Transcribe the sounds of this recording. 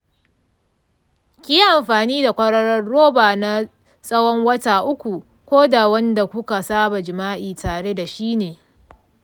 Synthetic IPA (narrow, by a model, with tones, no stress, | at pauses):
kʲi˦ʔa˨mɸaː˨niː˦da˨kʷɐ˦ɽɐ˦ɽɐ˦rːoː˦baː˨na˦ | sʼɐ˦wɔ˦ŋwɐ˦taː˨ʔʊ˦kʷu˨ | kʷoː˦da˨wɐ˦nda˨kʷʊ˦ka˨saː˦ba˨d͡ʒɪ˨maː˦ʔiː˨taː˨ɽe˦da˨ʃiː˦neː˨